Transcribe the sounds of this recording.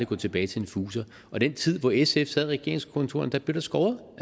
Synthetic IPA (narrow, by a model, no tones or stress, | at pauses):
iɡ̥ɔ̰ːt͡sʰeb̥ɛːɪt͡sʰe̝enfuːsɐ | ʔɒ̽d̥en̰t͡sʰið̰ˠʋɒesefsæð̰ˠʁɛɡ̥e̝ɐ̰e̝ŋskʰo̽nt͡sʰo̝ɐn̩d̥ɑ̈b̥le̝ʊd̥ɑsɡ̥ɒʊɐ